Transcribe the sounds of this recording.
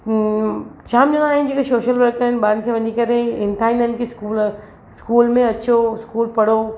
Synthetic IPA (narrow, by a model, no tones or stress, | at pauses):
t͡ɕʰaːmɗɐɽ̃aːɦɪnd͡ʑekesoːʃəlʋɐɾkəɾɪnɪ̆baːɾɪnkʰeːʋɐɲikɐɾeɪ̃nt̪ʰaːĩnənkʰeskuːl | skuːlmẽɐt͡ɕʰoskuːlpɐɽ̤o